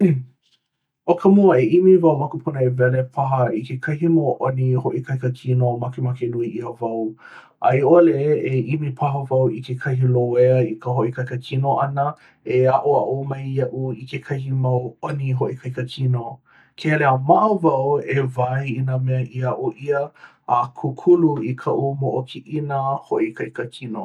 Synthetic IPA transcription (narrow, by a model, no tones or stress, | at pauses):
okʰəmoəeʔimivɐwmakupʰunəevɛlepʰɐɦəikekʰɐɦimoʔonihoʔikɐjkəkʰinomakemakenuiʔiəvɐw | ʔɐjoəleʔeeʔimipʰɐɦəvɐwikekʰɐɦiloeəikəɦoʔikʰɐjkəkʰinoʔɐnə | eaʔuɐʔumɐjɐʔuikekʰɐhimɐwoniɦoʔikʰɐjkəkʰino | kʰeleəmaʔəvɐwevajinəmɛəʔiɐʔoʔiəː | kʰukʰuluikʰɐʔumoʔokʰiʔinəhoʔikɐjkəkʰino̰